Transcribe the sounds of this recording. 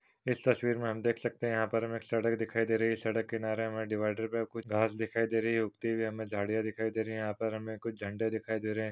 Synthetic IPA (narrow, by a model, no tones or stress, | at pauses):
ɪst̪ɐswiːɾmẽɦɐmd̪eːkʰsɐk̚t̪eɦɛ̃jɐɦãpɐɾɦɐmeːksɐɽək̚d̪ɪkʰaːid̪eːɾɐɦisɐɽəkːenaːɾeɦɐmẽɖɪʋaːɪɖəɾpekʊt͡ʃʰɡʱaːsd̪ɪkʰaːid̪eːɾɐɦiiʊkt̪ibʱiɦɐmẽd͡ʒʱaːɽijãd̪ɪkʰaːid̪eːɾɐɦijɦãːpɐɾɦɐmẽkʊt͡ʃʰd͡ʒʱɐ̃ɳɖed̪ɪkʰaːid̪eːɾɐɦɛ̃ː